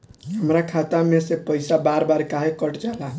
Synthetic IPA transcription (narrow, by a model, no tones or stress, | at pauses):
ɦəmɾakʰat̪amesepəɪjsabaɾbaɾkaɦekəʈd͡ʒala